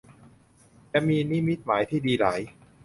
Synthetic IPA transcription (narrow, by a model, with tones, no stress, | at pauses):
t͡ɕa˧˨miː˧ni˦˥mi˦˥t̪̚maː˩˦jt̪ʰiː˥˩diː˧laː˩˦j